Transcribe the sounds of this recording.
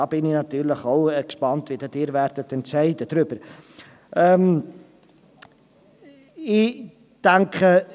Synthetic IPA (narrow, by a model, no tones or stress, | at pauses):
ɑːbɪninɐtyːrləχɔwɛkspɑntviədətiːɾværtətənsɛjdətrɾypər | əm | i | d̥æŋkχə